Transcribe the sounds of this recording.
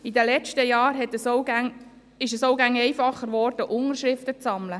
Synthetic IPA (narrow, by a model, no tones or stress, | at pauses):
id̪əlɛt͡ʃtəjɑːɾɦɛt̪əsoʊɡæŋ | ɪʃəsoʊɡæŋɛɪfɑχːəɾʋɔrd̥əʔʊnəɾʃɾɪftət͡sɑmlə